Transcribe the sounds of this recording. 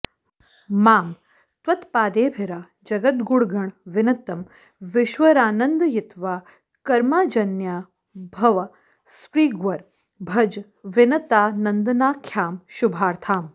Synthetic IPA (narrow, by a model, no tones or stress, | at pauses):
maːm | t̪wɐt̪paːd̪eːbʱɪɾaː | d͡ʒɐɡɐt̪ɡuɽɡɐɳʋɪnɐt̪ːɐm | ʋɪʃʋɐɾaːnɐnd̪jɪt̪ʋaː | kɐɾmaːd͡ʒɐnjaː | bʱɐʋɐ | spɾiːɡʋɐɾ | bʱɐd͡ʒ | ʋɪnɐt̪aːnɐnd̪ɐnaːkʰjaːmʃubʱaːɾt̪ʰaːm